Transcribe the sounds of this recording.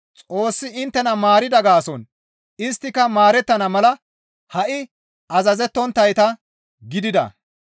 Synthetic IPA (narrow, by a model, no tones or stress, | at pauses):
t͡sʼo̞ːsːɪɪnt̪ːɛnɐmaːɾɪd̪ɐɡaːsɔn | ɪst̪ːɪkɐmaːɾɛt̪ːɐnɐmɐlɐ | hɐʔɪ | ɐzɐzɛt̪ːɔnt̪ːɐjt̪ɐ | ɡɪd̪ɪd̪ɐ̰